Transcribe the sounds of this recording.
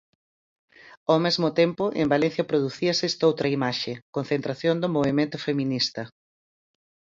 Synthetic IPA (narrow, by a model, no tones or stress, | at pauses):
awmezmʊt̪empʊʔḛmbalẽn̟θjɐpɾoðuθiɐsɛst̪owt̪ɾɐimaʃekon̟θent̪ɾaθjond̪ʊmoβimẽnt̪ʊfemĩnist̪ɐ